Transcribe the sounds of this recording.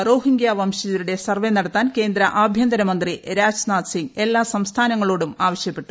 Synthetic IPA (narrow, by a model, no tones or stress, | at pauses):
ro̞ːɦiŋɡjaːʋɐmɕɐd͡ʑɐɾuɽe̞sɐrʋe̞nɐɽɐt̪ːaːnke̞ːnd̪ɾɐʔaːbʱjɐnd̪ɐɾɐmɐnd̪riɾaːd͡ʑnaːt̪siŋɡe̞lːaːsɐmst̪ʰaːnɐŋːɐɭoːɽumaːʋɐɕjɐpːe̞ʈːu̥